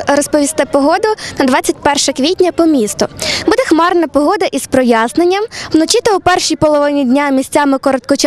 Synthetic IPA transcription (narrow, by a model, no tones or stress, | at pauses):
ɾɔspɔʋʲist̪ɪpɔɦɔd̪ʊnɐd̪ʋɑt͡sʲːɐtʲpɛrʃɐkʋʲitʲnʲɐpɔmʲist̪ʊbud̪ɛxmɑrnɐpɔɦɔd̪ɐʔizpɾɔjaznenʲːɐmwnɔt͡ʃʲit̪ɐwpɛrʃijpɔlˠɔʋnʲidʲnʲamʲisʲt͡sʲamɪkɔɾɔt̪̚kɔt͡ʃ